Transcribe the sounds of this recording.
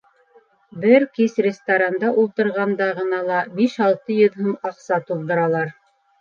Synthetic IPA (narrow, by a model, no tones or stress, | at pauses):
bɘɾkisrʲɪst̪aɾand̪ɑʔulˠt̪ɤ̆ɾʁɑnd̪ɑʁɤ̆nɑlˠɑbiʃɑlˠt̪ɤjɤ̆ðɦɤmɑqsɑt̪ulˠd̪ɤ̆ɾɑlˠɑɾ